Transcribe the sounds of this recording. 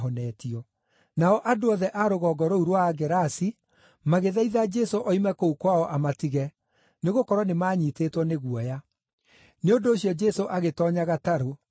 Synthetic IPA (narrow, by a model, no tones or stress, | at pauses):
ɦɔnɛtiɔ | naɔʔadoɔðɛʔaɾoɣɔɡɔɾouɾwaːɡɛɾasi | maɣeðaiðad͡ʒɛsoʔɔimɛkoukwaɔʔamatiɣɛ | neɣokɔɾwɔnemaːɲiteːtwɔneɣwɔja | neondoːɕjɔd͡ʒɛsoʔaɣetɔːɲaɣataɾo